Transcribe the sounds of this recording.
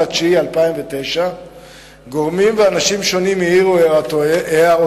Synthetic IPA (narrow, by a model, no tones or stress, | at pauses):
at͡ʃialpaimve̞t̪e̞jʃa | ɡo̞ʁmimveanaʃimʃo̞nimiiʁueea